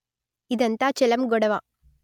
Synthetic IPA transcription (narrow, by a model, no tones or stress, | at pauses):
ɪðɐnt̪aːt͡ʃɛlɐmɡɔɽɐʋaː